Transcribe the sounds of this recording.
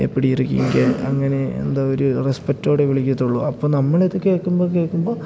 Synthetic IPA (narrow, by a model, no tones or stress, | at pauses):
ḛpːiɽijirikʲːḭŋɡɐɐŋːɐne̞ḛnd̪aːoɾurespɐk̚tːo̞ːɽeʋiɭikʲːɐt̪ːuɭːuɐpːoːnɐmːɐɭeðɨke̞ːɭkːumboːke̞ːɭkːumbo̞ː